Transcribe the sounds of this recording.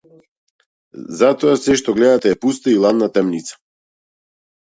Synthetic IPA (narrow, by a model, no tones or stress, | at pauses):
zat̪ɔasɛʃt̪ɔɡlɛd̪at̪ɛɛpust̪ailˠad̪nat̪ɛmnit̪sḁ